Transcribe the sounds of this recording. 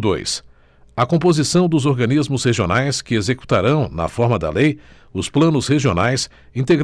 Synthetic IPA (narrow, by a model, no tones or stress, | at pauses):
d̪o̰js | ɐkõp̬ozisɐ̃w̃d̪ʊzoɾɡɐ̃nizmʊsheʒionajskɪezeku̥t̪aɾɐ̃w̃nɐ̰fɔɾmɐd̪ɐ̰lej | ʊsplɐ̃nʊsheʒionajs | ĩt̪eɡɾ